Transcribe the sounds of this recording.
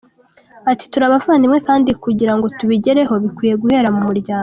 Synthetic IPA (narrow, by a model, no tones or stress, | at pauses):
ati̥tuɾaβavaːndimŋe̞kaːndikuɟiɾaŋɡo̞tuβiɟe̞ɾe̞ɦo̞βikwiːje̞ɡuhe̞ːɾamumuɾɟaːŋɡo